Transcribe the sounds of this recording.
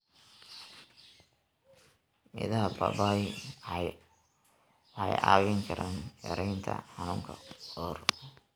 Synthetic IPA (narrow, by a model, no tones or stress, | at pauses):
mɪ̰ðɐɦɐbɐ̰baːj | ħɑjɑ̰ːwɪŋkʰɐɾʔaːnjɛ̰ɾɛjnt̪ʰɐ̰ħɑnʊːŋkʰɐɔːr